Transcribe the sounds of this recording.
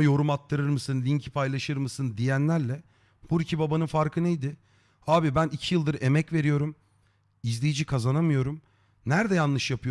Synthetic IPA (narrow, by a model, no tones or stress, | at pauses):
jo̞ɾumat̪ʰːɯɾɯɾmɯsɯnlʲiɲcʰi̥pʰajlˠaʃɯɾmɯsɯnd̪ijænlʲæɾlʲɛ | b̥uɾicʰibabanɯnfaɾkʰɯnejd̪ɪ | aːbibænicʰijɯlˠd̪ɯɾe̞mɛcve̞ɾijo̞ɾum | izlʲejid͡ʒikʰazanamɯjo̞ɾum | næɾd̪ɛjanlːˠɯʃjapʰɯjo